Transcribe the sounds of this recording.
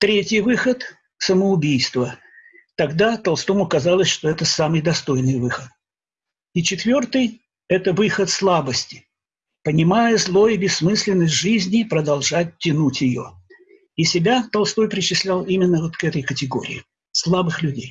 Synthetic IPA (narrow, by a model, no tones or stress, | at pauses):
t̪ɾʲetʲɪjvɨxət̪ | səməʊbʲijst̪və | t̪ɐɡd̪at̪ɐlˠst̪omʊkɐzalˠəsʲʂt̪o̞ɛt̪əsamɨjd̪ɐst̪o̞jnɨjvɨxət̪ | it͡ɕɪt̪vʲo̞rt̪ɨj | ɛt̪əvɨxət̪slˠabəsʲtʲɪ̥ | pənʲɪmajəzlˠo̞jɪbʲɪsːmɨsʲlʲɪnːəsʲt̬ʲʐɨzʲnʲɪpɾəd̪ɐlˠʐat̚ʲtʲːɪnutʲjɪjo̞̰ | isʲɪbʲat̪ɐlˠst̪o̞jpɾʲɪt͡ɕɪsʲlʲalˠimʲɪnːəvo̞t̪kɛt̪əjkətʲɪɡo̞̰ɾʲɪ̰ː | slˠabɨxlʲʉdʲej